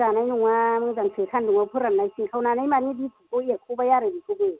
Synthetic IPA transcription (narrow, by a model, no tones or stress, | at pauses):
anajnuŋamɯŋzaŋsʰɯkʰanduŋapʰɯɾanːajsikʰawnanajmaniditʰukɔekʰubajaɾɯbikʰuɡɯ